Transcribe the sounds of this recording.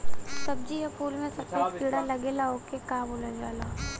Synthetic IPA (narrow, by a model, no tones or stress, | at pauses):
sɐb̚d͡ʒijapuːlmẽsɐbpepiːɽalɐɡelaoːkekaːboːlad͡ʒaːlaː